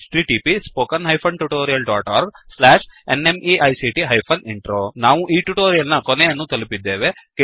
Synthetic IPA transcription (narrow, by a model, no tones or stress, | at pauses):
ʈɾiːʈiːpispoːkɐnɦɐjpʰɐɳʈuʈoːɾijɐlɖaːʈaːɾɡslaːʂḛnemiʔɐjsiʈiɦɐjpʰɐniɳʈɾoːnaːʋuʔiːʈuʈoːɾijɐlnɐkɔnejɐnːut̪ɐlipid̪ːeːʋe̞ke